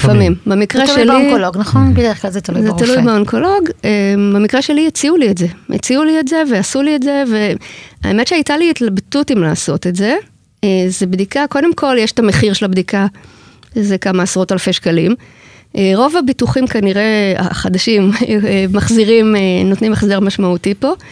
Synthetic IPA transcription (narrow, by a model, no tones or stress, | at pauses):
lifamimbemikʁeʃlionkoloɡnɐχonbedeʁeχklalzet̪ɐlujzet̪alujbeonkʰo̞lo̞ɡebemikʁeʃe̞lijet͡siulietze̞jʔḛt͡siulietze̞veasulietze̞ve̞a̰emetʃeajtaliːtlabtutimlaːso̞tetze̞ | ezebdikako̞d̪emko̞ljeʃe̥tame̞χiʁʃelabdika | ʃezekamaːsʁotalfeʃkalim | ʔeʁo̞vabituχimkaniʁe̞a̰χad̪aʃimeːaχziʁimenotnimeχzeʁmaʃmautipo̞